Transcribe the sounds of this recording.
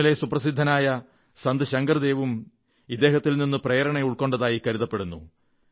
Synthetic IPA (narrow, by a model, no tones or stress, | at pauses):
ile̞suprɐsid̪ʱːɐnaːjɐ | sɐnd̪ɨɕɐŋɡɐrd̪e̞ːʋum | id̪ːe̞ːɦɐt̪ːilninːɨpreːjɐɾɐɳeuɭko̞ːɳɖɐðaːjikɐɾiðɐpːe̞ɽunːṵ